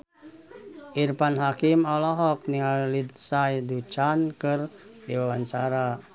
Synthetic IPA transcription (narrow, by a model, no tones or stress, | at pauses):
ʔirpanɦakimɔlɔɦɔk̚niŋalid̪̚sajdut͡ʃankɨrdiwawaɲt͡ʃaɾa